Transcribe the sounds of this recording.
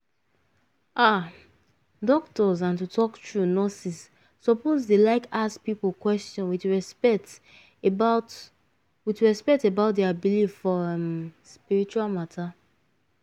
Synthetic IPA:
ʔa | dɔktɔzãntutʰɔktɹunɔsisː | ɔpozdelaɪkask̚pipl̩ˠkwɛstɔ̃nwiθɹɛspɛt | bat | wiθɹɛspɛtebaʊt̚dɛabilitifɔ | spiɹit͡ʃualmatʰa

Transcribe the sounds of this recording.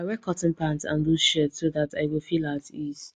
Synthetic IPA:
aɹɛkʰɔtn̩pʰãntã̰nbuʃətsoðataɪwɪlˠfilatiz̥

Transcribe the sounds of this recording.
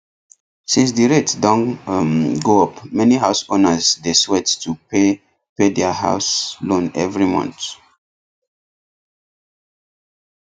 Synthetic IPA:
sĩns̬diɹetdɔ̃n | ɡoɔpmɛniɦaʊsonəzdeswɛttʰupe | pedɛaɦa̰ʊslõnɛ̰vɹimɔ̰̃nt

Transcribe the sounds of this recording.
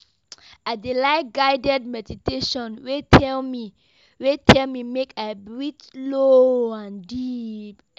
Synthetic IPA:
adilaɪt̚ɡaɪdɛd̚mɛditeʃɔ̃nwetʰɛlmi | wetʰɛlmimekabɹitloãndip

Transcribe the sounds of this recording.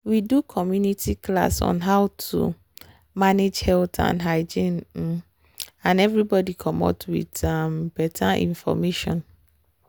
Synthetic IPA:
widukʰɔmjunitʰikʰla̰sɔ̰̃nɦaʊtʰṵ | maned͡ʒhɛltʰã̰nɦaɪd͡ʒĩn̩ | ãnɛvɾibɔdikʰɔ̃mɔ̰tʰwḭtambɛtʰãʔḭ̃nfɔ̰meʃɔ̰̃n

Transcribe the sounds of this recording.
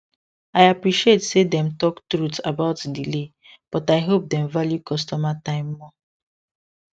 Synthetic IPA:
ajapɹiʃietsedɛ̃mtɔktɾutabaʊtdile | b̥ɔtaɪɦop̚dɛ̃mvaljukɔstɔmatãɪ̃mːɔ

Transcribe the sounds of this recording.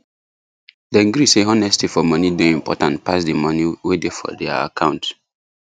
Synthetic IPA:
dɛ̃ŋɡɾiseɔnɛstifɔmɔnideĩmpɔ̰tãntpasdimɔniwedefɔ̰dɛa̰a̰kʰãʊ̃nt

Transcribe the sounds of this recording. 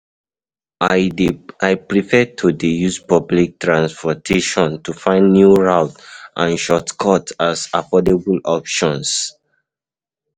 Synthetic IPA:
aɪpɹifɛtʰudejuspɔblik̚tɹãnspɔtʰeʃɔ̃ntufãɪ̃ndnjuɹaʊtʔãnʃɔtkʰɔtasafɔdebulɔpʃɔ̃ns

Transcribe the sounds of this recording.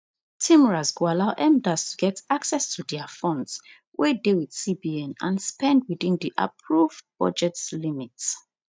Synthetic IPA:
tʰĩmɹazɡualaʊʔɛ̃mdastʰuɡɛtaksɛstʰudɛafɔ̃nds | wʔedewið̥sibiɛ̃nã̰nspɛ̃nd̚wiðĩndiʔa̰pʰɹuvb̥ɔ̰d͡ʒɛtslimits

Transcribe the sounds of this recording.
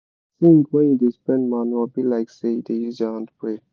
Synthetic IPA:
θĩŋkwɛ̃njudespɛ̃ndmaniwɔbilaɪksedejuzaãndpɹe

